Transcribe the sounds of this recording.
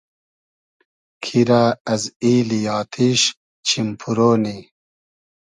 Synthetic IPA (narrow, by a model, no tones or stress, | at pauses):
kʰiɾaːɐziːlijaːt̪ʰiːɕ | t͡ɕʰimpʰuɾoːni